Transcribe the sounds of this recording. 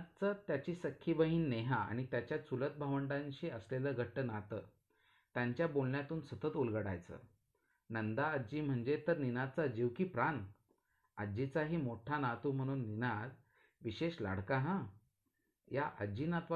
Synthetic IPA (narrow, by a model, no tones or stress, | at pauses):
t̪̚t͡sət̪jat͡ɕiːsəkʰːibəɦiːnːeɦaa̰ɽ̃it̪jat͡ɕjat͡sulət̪̚bʱaʋəɳʈãɲɕiːəsleləːɡʱəʈːənat̪əː | t̪jaɲt͡ɕjabolɳjat̪uːnsət̪ət̪ulɡəɽa̰jt͡sə̰ː | nənd̪aəd͡ʑiːm̤əɳd͡zet̪əɾninad̪̚t͡sad͡ʑiʋkiːpɾan | əd͡ʑit͡saɦiːmoʈʰanat̪uːm̤əɽ̃uːnːinad̪ | ʋiɕeɕla̰ɽ̤kaɦã | jaʔəd͡ʑiːnat̪ʋa